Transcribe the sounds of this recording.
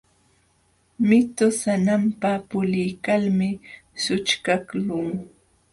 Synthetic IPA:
mɪt̪ʊsanampapʊlɪjkalmɪsʊt͡ʃkaklʊŋ

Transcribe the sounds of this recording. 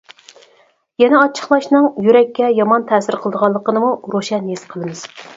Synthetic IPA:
jɛnɛɑt͡ʃʰə̥χlˠɑʃnɨŋjyɾɛkʲːɛjɑmɑnt̪ʰɛːsɪɾqʰəlˠɨd̪əʁɑlˠːəqənɨmuɾoʃɛnjesqʰəlˠɨmɨz̥

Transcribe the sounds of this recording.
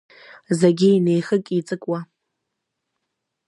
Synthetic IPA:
zaɡʲiinejxɨkʼit͡sʼɨkʼwa

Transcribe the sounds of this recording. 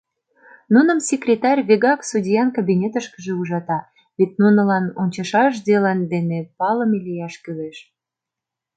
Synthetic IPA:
nunə̆msʲekrʲet̪ɑrʲβeɣɑksudʲijɑnkabinʲet̪əʃkə̥ʒeuʒɑt̪ɑ | βet̪̚ʲnunə̆lɑnonʲt͡ɕɑʃɑʃ̬d̪elɑnd̪enepɑləmelʲijɑʃkyleʃ

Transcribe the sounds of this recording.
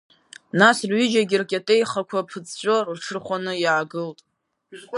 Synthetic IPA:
nasrɥʏd͡ʒaɡʲirkʲʼatʼejχakʷʰapʰɨt͡sʰʼt͡ɕʷʼorrʈ͡ʂʰɨrχʷanɨjʕaɡɨltʼ

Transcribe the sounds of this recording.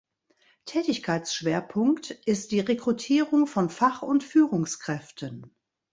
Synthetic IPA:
tʰɛːtɪçkʰaɪt͡sʃv̥eːɐpʰʊŋktʔɪst̚d̥iːʁekʁ̥utʰiːʁʊŋfɔnfaχʊntfyːʁʊŋskʁ̥ɛftʰən

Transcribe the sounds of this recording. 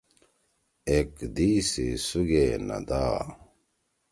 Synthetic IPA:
ekd̪iːsisuɡeːnɐ̰d̪aː

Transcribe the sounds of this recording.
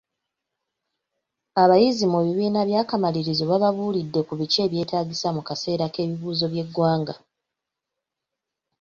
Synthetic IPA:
aβajizimuβiβiːnaβjaːkamaliɾizoβaβaβuːlidːe̞kuβit͡ʃe̞ːβje̞ːtaːɟisamukase̞ːɾake̞ːβiβuːzo̞βje̞ɡːwaːŋɡa

